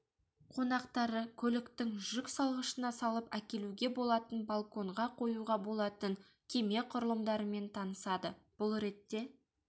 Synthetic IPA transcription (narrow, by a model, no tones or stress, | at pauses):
qʰonɑqt̪ɑɾəkʲʰɵlɪkt̪ɪŋʒʏksɑlˠʁəʃənɑsɑlˠəpækʲe̞luɡʲe̞bo̞lˠɑt̪ənbalˠko̞ɴʁɑqʰo̞juʁɑbo̞lˠɑt̪əŋ | kʲʰe̞me̞qʰʊɾəlˠəmd̪ɑɾəme̞nt̪ʰɑnəsɑd̪əb̥ʊlˠɾe̞t̪ːe̞